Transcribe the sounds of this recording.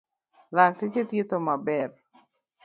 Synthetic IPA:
lak̚tet͡ʃet̪jet̪omabɛr

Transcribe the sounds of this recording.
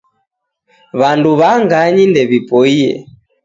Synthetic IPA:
βanduβaŋɡaɲindɛβipɔiɛ̰

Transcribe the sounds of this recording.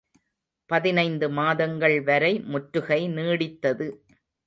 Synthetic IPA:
pɐðɪnɐɪnd̪ɯmaːðɐŋɡɐɭʋɐɾɐɪmʊʈɾɯɣɐɪniːɽɪt̪ːɐðɯ

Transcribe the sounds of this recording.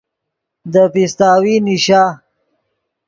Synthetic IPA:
d̪əfist̪aːwiniʃaː

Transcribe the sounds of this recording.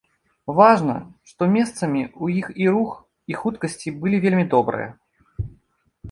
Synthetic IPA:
vaʐnɐ̰ʂt̪ɔmʲest̪sɐmʲiujixiɾux | ixut̪kɐsʲt͡sʲibɨlʲivʲelʲmʲid̪ɔbɾɨ̰jɐ̰

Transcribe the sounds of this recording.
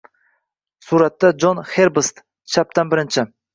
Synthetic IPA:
suɾat̪ːad͡ʒonχe̞ɾbst̪ | t͡ʃʰap̚t̪ʰanbɪɾɪnt͡ʃʰɪ

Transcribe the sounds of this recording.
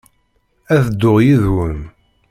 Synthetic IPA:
æθd̪ːʊʁjiðwən

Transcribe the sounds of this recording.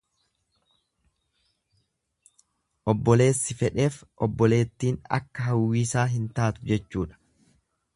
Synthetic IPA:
ʔɔbːɔle̞ːsːɪfɛᶑe̞ːfʔɔbːɔle̞ːt̪ːiːnɐ̰kːɐɦɐwːiːsaːɦɪnt̪aːt̪ʊd͡ʒɛt͡ʃːuːᶑɐ̥

